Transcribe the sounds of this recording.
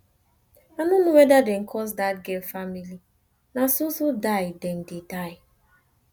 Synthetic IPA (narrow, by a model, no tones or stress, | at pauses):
anunuwedadeŋ̩kʰɔsdat̚ɡɛlfamili | nasusudajden̩didaɪ